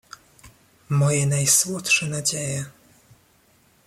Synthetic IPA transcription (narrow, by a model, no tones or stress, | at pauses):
mɔjɛnajswɔt̪ʂɛnad͡ʑejɛ